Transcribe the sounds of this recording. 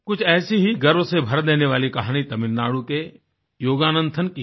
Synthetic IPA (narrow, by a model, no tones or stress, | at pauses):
kʊt͡ʃʰɛːsiɦiɡɐɾʋsebʱɐɾd̪eːneʋaːlikɐɦaːñit̪ɐmɪnːaːɽũke | joːɡaːnə̃nd̪ʰʱənɪ̆ki